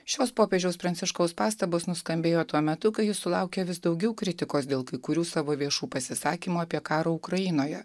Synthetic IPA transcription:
ʃʲoːspoːpʲeːd͡ʒʲɛʊspɾɐnʲt̪ʲɪʃkoʊspɑːst̪ɐboːsnʊskɐmʲbʲeːjoːt̪uɔmʲɛt̪ʊkɐɪjɪsʊlˠɐˑʊkʲɛʋʲɪsd̪ɒʊɡʲɛʊkɾʲɪt̪ʲɪkoːsd̪ʲeːlˠkɐɪkʊɾʲuːsɑːʋoːʋʲiɛʃuːpɐsʲɪsɑːkʲiːmuːɐpʲiɛkɑːɾoːʊkɾɐjɪnoːjɛ

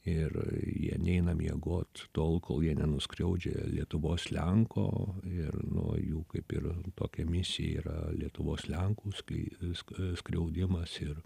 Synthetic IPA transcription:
ɪrjḭɛnʲɛɪnɐmʲjɛɡoːt̪t̪oːlˠkʰoːlˠjiɛnʲɛnʊskɾʲɛʊd͡ʒʲḛlʲiɛt̪ʊʋoːslʲɛŋkʰo̰ːɪrnʊ̰juːkɐɪpɪ̰rt̪oːkʲɛmʲɪsʲɪjɛ̰ḭːɾɐ̰lʲiɛt̪ʊʋoːslʲɛŋkuːskʲːsskɾʲɛʊd̪ʲɪmɐsɪr

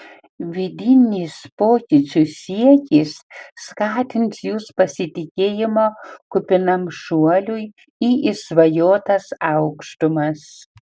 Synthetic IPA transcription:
ʋʲɪd̪ʲɪnʲiːspoːkʲɪt͡sʲusʲiɛkʲiːsːkɑːt̪ʲɪnsjuːspɐsʲɪt̪ʲɪkʲeːjɪmoːkʊpʲɪnɐmʃuɔlʲuj | iʔisʋɐjoːt̪ɐsɑʊkʃt̪ʊmɐs

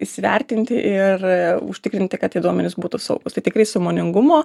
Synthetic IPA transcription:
ɪʃsʲɪʋʲɛ̰ɾʲt̪ʲɪnʲt̪ʲɪʔɪrʊʃʲt̪ʲɪkɾʲɪnʲt̪ʲɪkɐt̪iɪd̪uɔmʲɛnʲɪsbuːt̪ʊsɐ̰ʊɡʊst̪ɐɪt̪ʲɪkɾɐɪsɐmoːnʲɪŋɡʊmoː

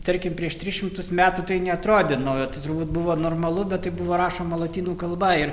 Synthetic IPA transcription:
t̪ɐɾʲkʲɪmpʲɾʲiɛʃt̪ʲɾʲɪʃʲɪmt̪ʊsmʲæːt̪uːt̪ɐɪnʲɛɐt̪ɾoːd̪ʲɪnɐʊjottɐɪt̪ʊɾbuːt̪̚bʊʋoːnoːrmɐlˠʊbʲɛt̪t̪ːɐɪbuʋoːɾɑːʃoːmɐlˠɐt̪ʲiːnuːkɐlˠbɐɪr

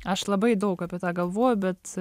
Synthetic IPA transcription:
ɐʃlˠɐbɐɪd̪oʊkɐpʲɛt̪aɡɐlˠʋoːjʊbʲɛt̪

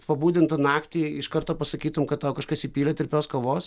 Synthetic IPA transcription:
pɐbuːd̪ʲɪnt̪ɐnɑːkt̪ʲiːɪʃkɐɾt̪oːpɐsɐkʲiːt̪ʊmkɐt̪̚t̪ɐʊkɐʃkɐsipʲiːlʲɛt̪ʲɪɾʲpʲoːskoːʋoːs

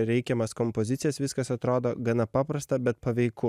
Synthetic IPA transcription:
ɾʲɛɪkʲɛmɐskɔmpozʲɪt̪sʲɪjɛsʋʲɪskɐsɐt̪ɾoːd̪oːɡɐnɐpɑːpɾɐst̪ɐbʲɛt̪̚pɐʋʲɛɪkʊ

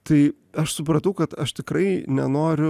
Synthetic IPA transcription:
t̪ɐɪ | ɐʃsʊp̬ɾɐt̪ɐʊkɐt̪ɐʃt̪ʲɪkɾɐɪnʲɛ̰noːɾʲʊ

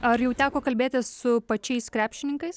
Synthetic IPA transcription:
ɐɾjɛʊt̪ʲæːkoːkɐlʲbʲeːt̪ʲɪsʊpɐt͡ʃʲɛɪskɾʲæːpʲʃʲt͡ʃʲɪnʲɪŋkɐɪs

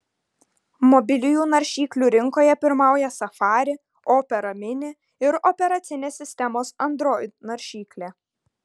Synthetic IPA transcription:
mɔbʲɪlʲɪjuːnɐɾʲʃʲiːklʲuːɾʲɪŋkoːjɛpʲɪɾmɑˑʊjɛsɐfɑːɾʲɪ | ɔːpʲɛɾɐmʲɪnʲɪ | ɪɾɔpʲɛɾɐt̪sʲɪnʲeːsʲːɪsʲt̪ʲɛmoːsɐnd̪ɾoːjnɐɾʲʃʲiːklʲeː

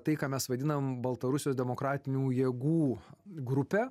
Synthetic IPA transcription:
t̪ɐɪkaːmʲɛsʋɐd̪ʲɪnɐmbɐlˠt̪ɐɾʊsʲɪjoːsd̪ʲɛmoːkɾɑːt̪ʲɪnʲuːjeːɡuːɡɾʊpʲɛ

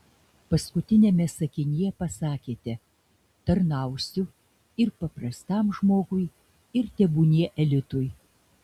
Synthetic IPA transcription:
pɐskʊt̪ʲɪnʲeːmʲɛsɐkʲɪnʲijɛpɐsɑːkʲeːt̪ʲɛ | t̪ɐɾnɐˑʊsʲʊ | ɪɾpɐpɾɐst̪ɑmʒmoːɡʊj | ɪɾt̪ʲɛbuːnʲiɛʔɛlʲɪt̪ʊj

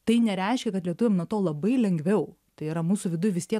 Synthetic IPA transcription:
t̪ɐɪnʲɛɾʲɛɪʃʲkʲɛkɐt̪lʲiɛt̪ʊʋʲeːmnuɔt̪oːlˠɐbɐɪlʲɛŋʲɡʋʲɛʊ | t̪ɐɪiɾɐmuːsʊʋʲɪd̪ʊjʊʋʲɪst̪iɛ

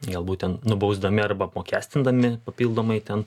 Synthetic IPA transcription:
ɡɐlˠbuːtʲɛnnʊbɐʊzd̪ɐmʲɪɐrbɐɐpmoːkʲæːsʲt̪ʲɪnd̪ɐmʲɪppɐpʲiːlˠd̪oːmɐɪt̪ʲɛn

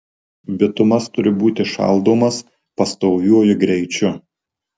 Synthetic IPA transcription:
bʲɪt̪ʊmɐst̪ʊɾʲɪbuːt̪ʲɪʃɑ̰ˑlˠd̪oːmɐs | pɐst̪oʊjʲuɔjʊɡɾʲɛɪt͡ʃʲʊ

